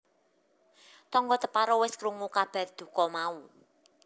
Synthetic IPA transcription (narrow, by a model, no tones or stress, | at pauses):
t̪ɔŋɡɔt̪əpaɾɔwɪskɾuŋukab̥a̤rd̪̥ṳkɔmau